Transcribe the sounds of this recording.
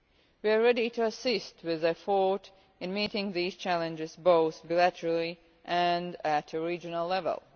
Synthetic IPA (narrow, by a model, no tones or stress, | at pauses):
wiəɹɛɾitʰuəsɪst̚ʰwɪðɨfɔɹɾ | ɨ̃nmiɾɪ̃ŋðiz̥t͡ʃʰælˠɨ̃nd͡ʒɪzboʊθbilæɾəɹəl̩ˠi | ʔɨ̃ndætɨɹid͡ʒɨnəlˠlɛvə̰lˠ